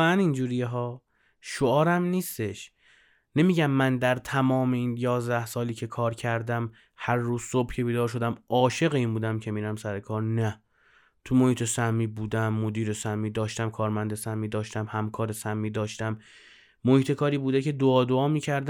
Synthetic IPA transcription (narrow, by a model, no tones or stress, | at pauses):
eænind͡ʒuːɾijeɦɒː | ʃoɒːɾæmniːst̪e̞ʃ | ne̞miːɟæmːænd̪æɾt̪ʰæmɒːme̞iːnjɒːzd̪æhsɒːliːcʰe̞kʰɒːɾcʰæɾd̪æm | hæɾːuːzso̞b̥cʰe̞biːd̪ɒːɾʃ̬o̞d̪æmɒːʃe̞ɣeiːnbuːd̪æmcʰe̞miːɾæmsæɾe̞kʰɒːɾnæ | t̪ʰumohiːt̪ʰe̞sæmːiːbuːd̪æmːod̪iːɾesæmːiːd̪ɒːʃt̪æmkʰɒːɾmænd̪esæmːiːd̪ɒːʃt̪æmhæmkʰɒːɾe̞sæmːiːd̪ɒːʃt̪æmː | ohiːt̪ʰe̞kʰɒːɾiːbuːd̪ecʰe̞d̪oɒːd̪oɒːmiːcʰæɾd̪